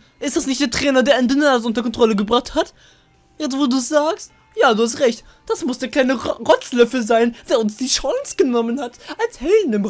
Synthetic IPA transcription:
ʔɪstd̥asnɪçtd̥eːɐtʁ̥ɛːnɐdeːɐʔɪndənaːzəʔʊntɐkʰɔntʁ̥ɔləɡəbʁaχthat | jɛt͡sstvoːduːɛsz̥aːkst | jaːduːhastʁɛçt | d̥asmʊsd̥eːɐkl̥aɪnəʁɔt͡slœfəzaɪnd̥eːɐʊnsd̥iːʃaŋsɡ̥ənɔmənhatʔashɛdn̩ɪm

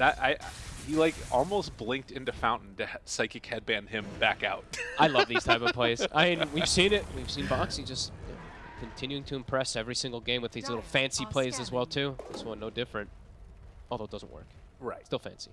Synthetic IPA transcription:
ðɨɾa̰ɪʔhilaɪkɔlˠmoʊsb̥lɪ̃ŋk̚tɪ̃ntʉfãʊ̃nʔn̩tɨsaɪkɨkʰæd̚bæ̃nɪ̃mbækaʊt̚ʔaɪlʌvði̥tʰaɪpʌv̥pʰl̥eɪz̥a̰ɪmĩnwi̥sĩnɪt̚wiv̥sĩnbɑksid͡ʒʌst | kʰɨ̃ntʰɪ̃njʉɪ̃ŋtʰɨɨ̃mpʰɹ̥ɛsɛvɹisɪ̃ŋɡl̩ˠɡẽɪ̃mwɨðizlɪɾl̩ˠfæ̃nsipʰl̥eɪzɨzwɛlˠtʰʉɪsw̃noʊdɪfɹɨ̃nt̚ | ɔlˠoʊt̚dʌzə̰̃nʔwɜ̰˞k | ɹaɪtstɪlˠfæ̰̃nsi

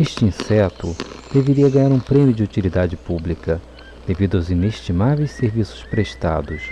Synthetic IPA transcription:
eʃt͡ʃɪĩsɛt̪ʊd̪̥eveɾiɐɡɐ̃ɲaɾũpɾẽmjʊd͡ʒɪut͡ʃilid̪ad͡ʒɪpublikɐ | d̪̥evid̪ʊawzineʃt͡ʃimavejsseɾvisʊ̥spɾeʃt̪a̰d̪ʊs

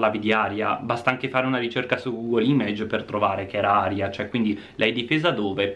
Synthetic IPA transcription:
laːvid̪iaːɾjabast̪aaŋkefaːɾeunaɾit͡ʃerkasuɡuːɡolimed͡ʒpert̪ɾovaːɾekeɛːɾaaːɾjat͡ʃoɛkwind̪i | lʔɛɛd̪ːifeːzad̪oːve

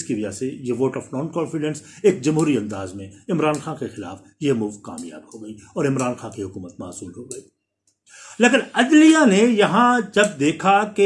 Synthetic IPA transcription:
skiʋɐd͡ʒasejeʋoːʈɔːfnɔːnkɔːnfɪɖɛ̃nseːk̚d͡ʒɐmɦuːɾiɐ̃nd̪aːzmẽɪmɾaːnxaːnkexɪla̰ːf | jemuːʋka̰ːmja̰ːbhoɡɐiɔːɾɪmɾaːnxaːkiɦʊkuːmət̪maːsuːlɦoɡɐiː | leːkɪnɐd̪lijanejɐɦãd͡ʒɐb̚d̪eːkʰake

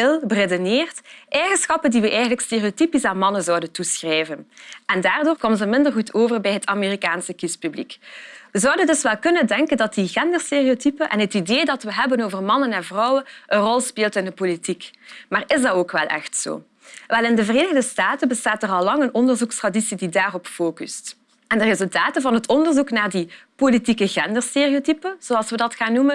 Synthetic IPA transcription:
ɪlˠbəredoneːrtʔɛjɣənsxɑpəndiʋəʔɛjɣənləksteːriotipisaːnmɑnənzɔwdəntusxrɛjvənʔɛndaːrdoːrkomənzəmɪndərɣutʰoːvərbɛjɦətameːrikaːnsəkispyblḭkʋəzɔwdəndɵsʋɛlˠkɵnəndɛŋkəndɑtdiɣɛndərsteːriotypəʔɛ̰nɦətideːdɑtʋəɦɛbənoːvərmɑnənɛnvrɔwənʔənrɔlˠspeːlˠtɪndəpolitikmaːrɪzdɑtoːkʋɛlˠʔɛ̰xtso̰ː | ʋɛlˠɪndəvəreːnəɣdəstaːtəbəstaːtərɑlːɑŋənɔndərzukstradisididaːrɔpfoːkyst | ɛndərezɵlˠtaːtənvɑnɦətɔndərzuknaːrdipolitikəɣɛndərsteːriotipəz̥oːɑlˠsʋədɑtxaːnːumən

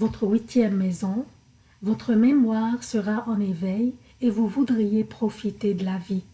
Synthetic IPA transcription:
vɔt̪χəɥit̪jɛmːezɔ̃ | vɔt̪χəmemwaːʁsəʁaʔɑ̃nevɛj | evuvud̪ʁijepχɔfit̪ed̪əlavi

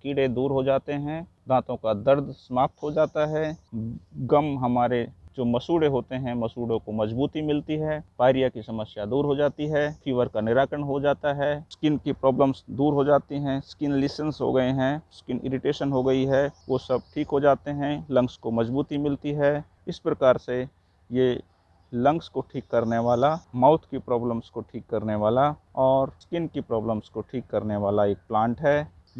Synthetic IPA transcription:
kiɽed̪uːɾɦod͡ʒaːt̪eɦɛ̃ː | d̪ʱãːt̪õkad̪ɐɾd̪sɐmaːp̚t̪ɦod͡ʒaːt̪aɦɛː | ɡɐmɦɐmaːɾed͡ʒoːmɐsuːɽeɦoːt̪eɦɛ̃mɐsuːɽõkomɐd͡ʒbuːt̪imɪlt̪iɦɛːpaːɪɾijakisɐməsjad̪uːɾɦod͡ʒaːt̪iɦɛːpʰiːʋəɾkanɪɾaːkɾəɳɦod͡ʒaːt̪aɦɛːskɪnkipɾɔːbləmsd̪uːɾɦod͡ʒaːt̪iɦɛ̃skɪnliːsənsɦo̰ɡɐeɦɛ̃skɪnɪ̰ɾɪʈeːʃənɦoɡɐiɦɛʋosɐb̚ʈʰiːkɦod͡ʒaːt̪eɦɛ̃lɐ̃ŋkskomɐzbuːt̪imɪlt̪iɦɛː | ɪspɾɐkaːɾse | je | lɐ̃ŋkskoʈʰiːkːɐɾneʋaːlamaːʊt̪ʰkipɾɔːbləmskoʈʰiːkːɐɾneʋaːlaɔːɾskɪnkipɾɔːbləmskoʈʰiːkːɐɾneʋaːlaeːk̚plãːɳʈɦɛː

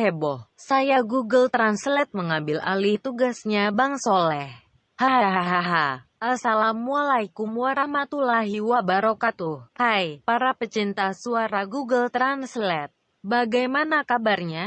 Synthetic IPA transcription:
ɛbɔhsajaɡuɡəlt̪ɾanslɛt̪̚məŋambɪla̰lit̪uɡasɲabaŋsolɛh | haɦaɦaɦaɦaʔasalamualaikumuaɾamat̪ulaɦiwabaɾokat̪uhajpaɾapət͡ʃint̪asuaɾaɡuɡəlt̪ɾanslɛt̪̚ | baɡajmanakabarɲa

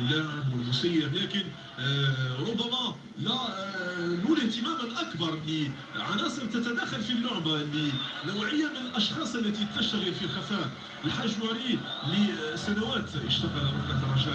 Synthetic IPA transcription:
lːæmwəlːʊsˤəjːəblækən | ɾˤʊbːæmæ | læ | lunəht̪əmæmənʔɑkbɑɾˤli | ʕanæsˤəɾˤt̪ət̪æd̪æxalfilːʊʕmaʔlːinawʕəjːamənəlʔɑʃxɑsˤʔəlːæt̪it̪əʃt̪aɣəlfilxæfæ | wəħaʒwɑɾilisænawæt̪əʃt̪aɣəlwkæd̪ɑɾˤːɑʒæ

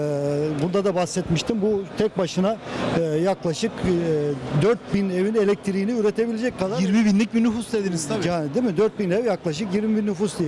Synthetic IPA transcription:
bund̪ad̪abasːɛt̪miʃt̪ʰimbut̪ʰɛc̚baʃɯnajaklˠaʃɯkː | d̪øɾt̪̚binevine̞lʲɛc̚t̪ʰiɾiːniyɾe̞t̪ʰe̞bilʲed͡ʒɛc̚kːad̪aɾiɾmibinlʲic̚binyfusd̪ed̪inizt̪ʰajaːnid̪imid̪øɾt̪̚binɛvjaklˠaʃɯkjiɾmibinːyfusd̪ije

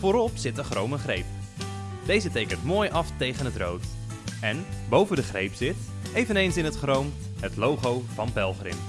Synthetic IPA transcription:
foːɾɔpsɪtəχrowməχrejp | dejzətekəntmoːjʔɑftejɣənətro̰wt | ɛnbowvəndəχrejpsɪt | ejvənejnsɪnɦətχrowm | ətlowχowvɑnpɛlˠχrɪ̰m

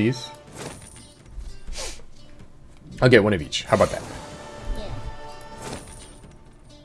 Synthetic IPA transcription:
iz̥ | aʊɡɛt̚wʌ̃nʌvḭt͡ʃhaʊəbaʊt̪̚ðæ̰t̚

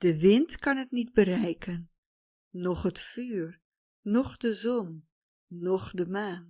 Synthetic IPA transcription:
d̥əʋɪntkɑnɦətnidbərɛjkənː | ɔχɦətfyːr | nɔχdəzɔnː | ɔχdəmaːn

